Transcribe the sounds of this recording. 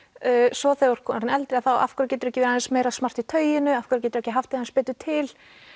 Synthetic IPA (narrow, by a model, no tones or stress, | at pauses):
sɔθeɔɾ̥kʰɔːnɾnɛlt̪ɾɪaθawa̰fkɾʏɾcɛːt̪ʏɾɛhcɪvɛːɾaɛnsmeːjɾasmar̥t̪it̪ʰœːɥjɪnʏafkɾʏɾcɛt̪ʏɾɛhcɪɦaft̪ɪhanspɛːt̪ʏt̪ʰɪl